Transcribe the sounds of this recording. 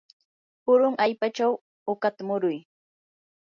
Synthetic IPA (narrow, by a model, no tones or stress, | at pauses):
pʊɾʊŋʔaʎpat͡ʃaw | okat̪amʊɾʊj